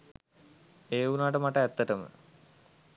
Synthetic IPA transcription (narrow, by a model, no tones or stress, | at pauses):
eːunaːʈəmaʈəæt̪ːəʈəmə̰